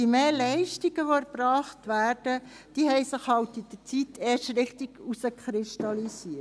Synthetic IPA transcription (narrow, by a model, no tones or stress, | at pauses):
imeːlɛɪʃtiɡəʋoɛɾbɾɑːχtʋæːɾd̥ə | d̥iːɦɛɪsɪχhɑltɪd̥ət͡sitʰːeːʃtɾɪχtiɡ̥usəkχɾɪʃtɑlisiːə